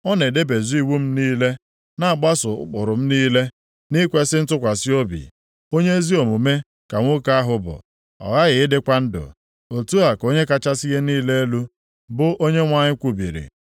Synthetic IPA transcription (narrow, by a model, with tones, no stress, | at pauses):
ɔ˦ne˨de˦be˨zu˦i˦wu˦m̩˦niː˦le˦ | na˦a˨ɡ͡ba˦sʊ̰˨˦k͡pʊ˨ɾʊ˨m̩˦niː˦le˦ | ni˦kʷe˦sɪ˦n̩˦tʊ˦kʷa˨si˦o˦bḭ˨ | o˦ɲe˦e˦zi˦o˨mu˨me˦ | ka˨ŋʷʊ˦ka˦a˦ɦʊ˦bʊ̰˨ | ɔ̰˨ɣa˦ɣɪ˨ɪ˦dɪ˦kʷa˦n̩˦dʊ̰˨ | o˨tu˦a˨ko˦ɲe˦ka˦t͡ʃa˦si˦ɣe˦niː˦le˦e˦lu˦ | bʊ˦ʔo˦ɲe˦ŋʷa˦ɲɪ˦kʷu˨bḭ˨ɾḭ˨